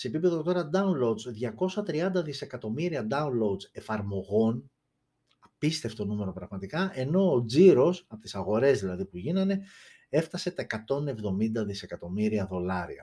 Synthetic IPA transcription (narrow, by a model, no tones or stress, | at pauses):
se̞ːpipe̞ðo̞t̪o̞ɾɐd̪ɐunlo̞d̪zðʝɐko̞sɐt̪ɾiɐnd̪ɐðise̞kɐt̪o̞miɾiɐd̪ɐunlo̞d̪ze̞fɐɾmo̞ɣo̞n | ɐpist̪e̞ft̪onume̞ɾo̞pɾɐɣmɐt̪ikɐʔe̞no̞ːd͡ziɾo̞sɐpot̪isɐɣo̞ɾe̞zðilɐðipuʝinɐne̞ | e̞ft̪ɐse̞t̪ɐekɐt̪o̞ne̞vðo̞mind̪ɐðise̞kɐt̪o̞miɾiɐðo̞lɐɾḭɐ̰